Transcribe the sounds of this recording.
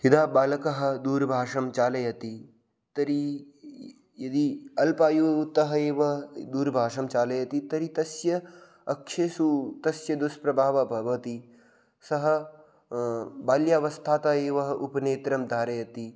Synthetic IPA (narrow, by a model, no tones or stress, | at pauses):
hid̪aːbaːlɐkɐɦɐ̆d̪uːɾbʱaːʂɐmt͡ʃaːlɐjɐt̪i | t̪ɐɾi | jɐd̪iɐlpaːjuːt̪ɐɦɐeːʋɐɦɐd̪uːɾbʱaːʂɐmt͡ʃaːlɐjɐt̪it̪ɐɾit̪ɐsjɐ | ɐkʃeːsut̪ɐsjɐd̪uspɾɐbʱaːʋɐbʱɐʋɐt̪i | sɐɦɐ̆ | baːljaːʋɐst̪ʰaːt̪aːeːʋɐɦɐʔupɐneːt̪ɾɐmd̪ʱaːɾɐjɐt̪i